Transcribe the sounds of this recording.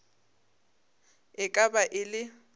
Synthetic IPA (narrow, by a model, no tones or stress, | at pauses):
ɪkʼabaʔɪlɪ